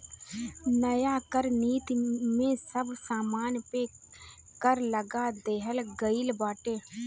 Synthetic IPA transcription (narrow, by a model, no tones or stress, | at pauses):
nɐjaːkəɾniːt̪imẽsɐbsaːmaːnpe | kəɾləɡad̪eːɦəlɡəɪlbaːʈeː